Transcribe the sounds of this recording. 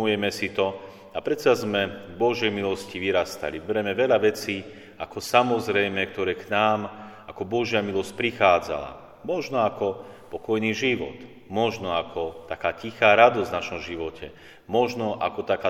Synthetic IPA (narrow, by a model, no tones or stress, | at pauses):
ujɛmɛsit̪ɔ | apɾɛt̪sazmɛɡbɔʒjɛjmilɔsciʋiɾast̪a̰libɛɾɛmɛʋɛʎaʋɛt͡siː | akɔsamɔzɾɛjmɛk̚t̪ɔɾɛːknaːm | akɔbɔʒɪamilɔsc̚pɾixaːd͡za̰la̰ | mɔʒnɔakɔpɔkɔjniːʒiʋɔ̰t̪ | mɔʒnɔakʰɔt̪akaːcixaːɾad̪ɔzvnaʃɔmʒiʋɔcʰɛ | mɔʒnɔʔa̰kɔt̪akaː